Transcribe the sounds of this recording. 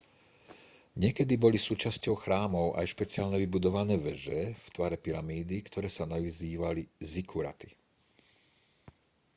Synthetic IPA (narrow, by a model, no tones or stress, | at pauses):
ɲɪɛkɛd̪ibɔlisuːt͡ʃascɔʊxɾaːmɔʊʔa̰jʃpɛt͡siaːlɲɛʋibud̪ɔʋanɛːʋɛʒɛft̪ʋaɾɛpiɾamiːd̪ikt̪ʰɔɾɛːsanaʋiziːʋalizikʰuɾa̰t̪i